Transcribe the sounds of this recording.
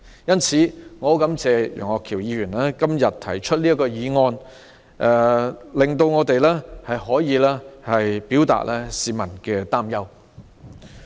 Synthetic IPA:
jɐ˥nt͡sʰiː˨˥ŋɔː˨˥kɐ˨˥mt͡sɛː˨˧jɔ̰˨˩ŋɔː˨˧kʰiː˨˩wjiː˨˧jyː˨˩nlɛː˥kɐ˥mjɐ˨t̚t̪ʰɐ̰˨˩jt͡ʃʰɵ˥t̚liː˥ɐ˥kɔː˧jiː˨˧ŋɔː˧n | ʔɛ˧lɪ˨ŋt̪o˧wŋɔː˨˧t̪e˨jlɛː˥hɐ˨jhɔː˨˥jiː˨˧lɛː˥hɐ˨jpiː˨˥wt̪a̰ː˨t̚lʔɛː˥siː˨˧mɐ˨˩nkɛ˧t̪aː˥mjɐ˥w

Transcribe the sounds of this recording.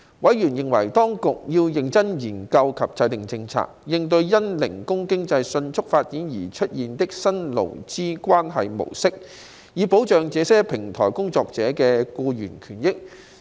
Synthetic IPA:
wɐ˨˥jɥyː˨˩njɪ˨ŋwɐ˨˩jt̪ɔː˥ŋkʊ˨k̚jiː˧wjɪ˨ŋt͡sɐ˥njiː˨˩nkɐ˧wkʰɐ˨p̚t͡sɐ˨˧jt̪ɪ˨ŋt͡sɪ˧ŋt͡sʰa̰ː˧˩k̚jɪ˧ŋt̪ɵ˧ɥjɐ˥nlɪ˨˩ŋkʊ˥ŋkɪ˥ŋt͡sɐ˧jsɵ˧nt͡ʃʰʊ˥k̚faː˧t̚jiː˨˥njiː˨˩t͡ʃʰɵ˥t̚jiː˨nt̪ɪ˥k̚sɐ˥nlo̰˨˩wt͡siː˥kʷwaː˥nɦɐ˨jmo̰˨˩wsɪ˥k̚ | jiː˨po˨˥wt͡ʃœː˨ŋt͡sɛː˨˧˥sɛː˥pʰɪ˨˩ŋt̪ʰɔː˨˩jkʊ˥ŋt͡sɔː˧k̚t͡sɛː˨˥kɛː˧kuː˧jyː˨˩nkʰyː˨˩njɪ˥k̚

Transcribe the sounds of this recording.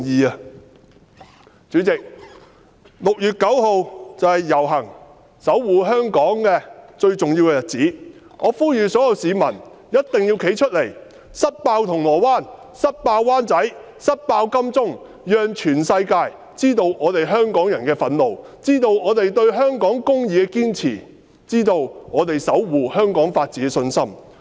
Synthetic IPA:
jiː˨ɐ˧ | t͡syː˨˥t͡sɪ˨k̚ | lʊ˨k̚jyː˨t̚kɐ˨˥who˨˧wt͡sɐ˨whɐ˨jːɐ˨˩wɦɐ˨˩ŋ | sɐ˨˥wːuː˨˧ɦœː˥ŋkɔː˨˥ŋkɛː˧t͡ʃɵ˧ɥt͡sʊ˨ŋji˧wkɛː˧jɐ˨t̚t͡siː˨˥ | ŋʔɔː˨˧fuː˥jyː˨sɔː˨˥jɐ˨˧wsiː˨˧mɐ˨˩n | jɐ˥t̚t̪ɪ˨ŋjiː˧wkʰe˨˥jt͡ʃʰt̚le˨˩j | sɐ˥t̚paː˧wt̪ʰʊ˨˩ŋlɔː˨˩waː˥n | sɐ˥t̚paː˧wwaː˥nt͡sɐ˨˥j | sɐ˥t̚paː˧wkɐ˥mt͡sʊ˥ŋ | jœː˧ŋt͡ʃʰyː˨˩nsɐ˧jkaː˧j | t͡siː˥t̪o˧wʔɔː˨˧t̪e˨jɦœː˥ŋkɔː˨˥ŋjɐ˨˩nkɛː˧fɐ˨˥nlo˨w | t͡siː˥t̪o˧wɔː˨˧t̪e˨jt̪ɵ˧ɥɦœː˥ŋkɔː˨˥ŋkʊ˥ŋjiː˨˧kɛ˧kiː˥nt͡sʰḭː˨˩ | t͡siː˥t̪o˧wŋɔː˨˧t̪e˨jsɐ˨˥wwuː˨hœː˥ŋkɔː˨˥ŋfaː˧t̚t͡siː˨˥kɛ˧sɵ˧nsɐ˥m

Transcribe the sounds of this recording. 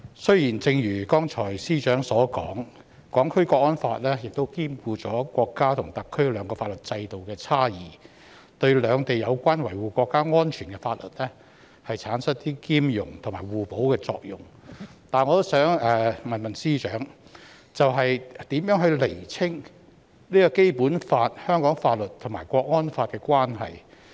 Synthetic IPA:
sɵ˥ɥjiː˨˩nt͡sɪ˧ŋjyː˨˩kɔː˥ŋt͡ʃʰɔː˨˩jsiː˥t͡ʃœː˨˥ŋsɔː˨˥kɔː˨˥ŋ | kɔː˨˥ŋkʰɵ˥ɥkʷɔː˧k̚ːɔː˥nfaː˧t̚lɛː˥jɪ˨k̚t̪o˥wkiː˥mkuː˧t͡sɔː˨˥kʷɔː˧kːaː˥t̪ʰʊ˨˩ŋt̪ɐ˨kʰːɵ˥ɥlœː˨˧ŋkɔː˧fa˧t̚lɵ˨t̚t͡sɐ˧jt̪o˨wkɛː˧t͡sʰaː˥jiː˨ | t̪ɵ˧ɥlœː˨˧ŋt̪e˨jɐ˨˧wkʷaː˥nwɐ˨˩jwuː˨kʷɔː˧kːaː˥ŋɔː˥nt͡ʃʰyː˨˩nkɛ˧faː˧t̚lɵ˨t̚lɛː˥ | hɐ˨jt͡sʰaː˨˥nsɐ˥t̚t̪iː˥kiː˥mjʊ˨˩ŋt̪ʰʊ˨˩ŋmaː˨˩wuː˨˩po˨˥wkɛː˧t͡sɔ̰ː˧k̚jʊ˨˩ŋ | t̪aː˨˩nŋɔː˨˧t̪o˥wsœː˨˥ŋɛː˨˩mɐ˨nmɐ˨nsiː˥t͡ʃœː˨˥ŋ | t͡sɐ˨wɦɐ˨jt̪iː˨˥mjœː˨˥ŋɦɵ˧ɥle˨˩jt͡sʰɪ˥ŋ | niː˥kɔː˧ke˥jpuː˨˥nfaː˧t̚hœː˥ŋkɔː˨˥ŋfaː˧t̚lɵ˨t̚t̪ʰʊ˨˩maː˨˩jkʷɔː˧k̚ŋɔː˥nfaː˧t̚kɛː˧kʷaː˥nɦɐ̰˨j

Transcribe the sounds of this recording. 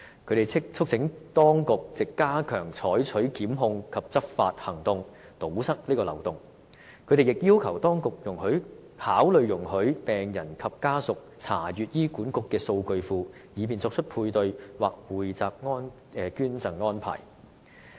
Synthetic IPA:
kʰɵ˨˧ɥt̪e˨jt͡sʰɪ˥k̚t͡sʰʊ˥k̚t͡sʰɪ˨˧˥ŋt̪ɔː˥ŋkʊ˨k̚t͡sɪ˨kːaː˥kʰœ̰ː˨˩ŋt͡sʰɔː˨˥jt͡ʃʰɵ˨˥ɥkiː˨˥mɦʊ˧ŋkʰɐ˨p̚t͡sɐ˥p̚fa̰ː˧t̚hɐ˨˩ŋt̪ʊ˨ŋ | t̪o˨˥wsɐ˥k̚liː˥kɔː˧lɐ˨˩wt̪ʊ˨ŋ | kʰɵ˨˧ɥt̪e˨˩jɪ˨k̚jiː˥wkʰɐ˨˩wt̪ɔː˥ŋkʊ˨k̚jʊ˨˩ŋhɵ˨˥ɥ | haː˨˥wlɵ˨˧ɥjʊ˨˩ŋhɵ˨˥ɥpɛː˨ŋjɐ˨˩nkʰɐ˨p̚kaː˥sʊ˨k̚t͡sʰa̰ː˨˩jyː˨t̚jiː˥kuː˨˥nkʊ˨kːɛː˧so˧wkɵ˧ɥfuː˧jiː˨˧p̬iː˨nt͡sɔː˧k̚t͡ʃʰɵ˥t̚pʰuː˧jt̪ɵ˧ɥwaː˨k̚wuː˨jt͡saː˨p̚ŋɔː˥n | ɛ˨kyː˥nt͡sɐ˨ŋŋɔː˥npʰa̰ː˨˩j

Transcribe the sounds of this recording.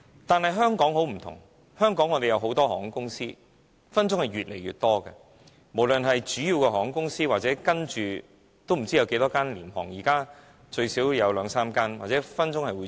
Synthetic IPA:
t̪aː˨nɦɐ˨jɦœː˥ŋkɔː˨˥ŋho˨˥wm̩˨˩t̪ʰʊ̰˨˩ŋ | hœː˥ŋkɔː˨˥ŋːɔː˨˧t̪e˨jɐ˨˧wɦo˨˥wt̪ɔː˥hɔː˨˥˩ŋkʊ˥ŋsiː˥ | fɐ˥nt͡sʊ˥ŋhɐ˨jɥyː˨t̚lḛ˨˩jɥy̰˨t̚t̪ɔː˥kɛ˧ | mo˨˩wlɵ˨nɦɐ˨jt͡ʃyː˨˥jiː˨˧wkɛ˧ɦɔː˨˥ŋkʊ˥ŋsiː˥waː˨t̚t͡sɛː˨˥kɐ˥nt͡ʃyː˨ | t̪o˥wm̩˨˩t͡siː˥jɐ˧wke˨˥t̪ɔː˥kaː˥nlḭː˨˩mhɔ̰ː˨˩ŋjiː˨˩kaː˥ | t͡ʃɵ˧ɥsiː˨˥wjɐ˨˧wlœː˨˧ŋsaː˥mkaː˥nwaː˨t̚t͡sɛ˨˥fɐ˥nt͡sʊ˥ŋhɐ˨jwuː˨˧

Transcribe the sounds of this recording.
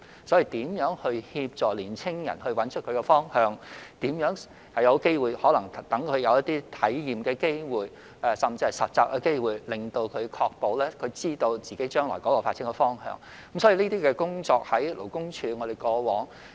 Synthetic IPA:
sɔ˨˥ji˨˧t̪iː˨˥mjœː˨˥ŋhɵ˧ɥhiː˧p̚t͡ʃɔː˨˩liː˨˩nt͡sʰɪ˥ŋjɐ̰˨˩nhɵ˧ɥwɐ˨˥nt͡ʃʰt̚kʰɵ˨˧ɥkɛ˧fɔː˥ŋhœː˨˧ŋt̪iː˨˥mjœː˨˥ŋ | hɐ˨˩jɐ˨˧wke˥jwuː˨jhɔː˨˥lɐ˨˩ŋt̪ɐ˨˥ŋkʰɵ˨˧jɐ˨˧wjɐ˥t̪̚iː˥t̪ʰɐ˨˥jjiː˨mkɛː˧ke˥jwuː˨j | ɛː˨sɐ˨˩mt͡siː˧hɐ˨˩jsɐ˨t̚t͡saː˨˧k̚ʔɐ˧ke˥jwuː˨jlɪ˨ŋt̪o˧wkʰɵ˨˧ɥkʰɔː˧k̚po˨wlɛː˥kʰɵ˨˧ɥt͡siː˥t̪o˧wt͡siː˨ke˨˥jt͡ʃœː˥ŋlɔː˨˩kɔː˨˥lo˨˩wfaː˧t̚siː˨˥ŋkɛ˧fɔː˥ŋhœ̰ː˧ŋ | kɐ˨˥msɔː˨˥ji˧liː˥t̪iː˥kɛː˧kʊ˥ŋt͡sɔː˧k̚hɐ˨˥jlʔo̰˨˩wkʊ˥ŋt͡ʃʰyː˨˧ŋɔː˨˧ɾe˨jkɔː˧wɔː˨˥ŋ

